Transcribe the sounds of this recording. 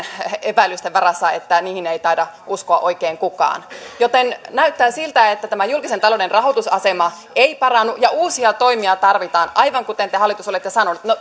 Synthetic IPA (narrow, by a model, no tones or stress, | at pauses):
epæilːˑyst̪eʋʋɑɾɑsːɑet̪ːæniːhinejt̪ɑidɑʔuskoɑʔo̞ikeːŋkukɑ̰ːnjot̪ennæyt̪ːæːsilt̪æet̪ːæt̪æmæjulkisent̪ɑloːdenrɑɦot̪usɑ̰semɑ | eipɑrɑnːujɑuːsiɑt̪oimiɑt̪ɑrʋit̪ɑːnʔɑjʋɑŋkut̪ent̪ehɑlːˑit̪usolet̪ːjɑsɑnonut̪no